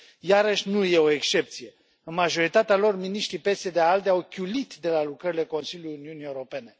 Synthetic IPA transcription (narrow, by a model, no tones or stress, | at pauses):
jaɾəʃʲnuje̞o̞ekʃt͡ʃe̞p̚t̪sije̞ | ɨnmaʒo̞ɾit̪at̪ealo̞rminiʃt̪ɾipe̞se̞d̪eald̪eawkʲulit̪d̪e̞lalukɾəɾile̞ko̞nsilʲjuliuniunie̞uɾo̞pe̞ne̞